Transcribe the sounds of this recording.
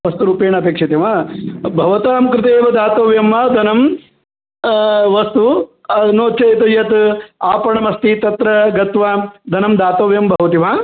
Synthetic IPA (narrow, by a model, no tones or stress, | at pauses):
ʋɐst̪uɾuːpeːɳɐpeːkʂɐt̪ɐʋabʱɐʋɐt̪aːmkɾɪt̪̬eːʋɐd̪aːt̪oːʋjɐmːɐd̪ʱɐnɐm | ʋɐst̪unoːt͡ʃɐjt̪ujɐt̪aːpɐɳɐmɐst̪it̪ɐt̪ɾɐɡɐt̪ʋaːd̪ʱɐnɐmd̪aːt̪oːʋjɐmbʱɐʋɐt̪iʋaː